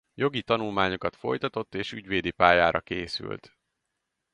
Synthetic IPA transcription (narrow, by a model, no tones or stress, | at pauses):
jo̞ɡit̪ɒnulmaːɲo̞kɒt̪fo̞̰jt̪ɒt̪o̞t̪ːeːʃyɟʋeːd̪ipaːjaːɾɒkeːsy̰lt̪